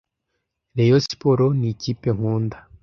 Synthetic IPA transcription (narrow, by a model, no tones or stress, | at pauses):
ɾejosi̥poɾonicipe̞ŋ̥uːnd̪a